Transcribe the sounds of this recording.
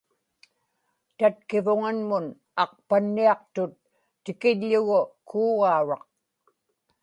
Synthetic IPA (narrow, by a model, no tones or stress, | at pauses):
t̪at̪̚kɪvʊŋanmʊn | ɑq̚panːiɑq̚t̪ʊt̪ː | ɪkɪʎːʊɣʊkʰuːɣɑuɻɑq